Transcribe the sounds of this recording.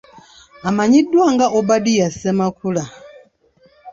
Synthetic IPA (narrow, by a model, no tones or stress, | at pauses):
amaɲidwaŋɡaʔɔbadijasɛmakʰula